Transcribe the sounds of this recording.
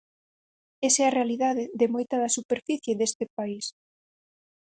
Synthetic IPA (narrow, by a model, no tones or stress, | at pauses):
esɛɐrealiðaðɪðɪmojt̪ɐðɐsupeɾfiθjeðest̪ɪpais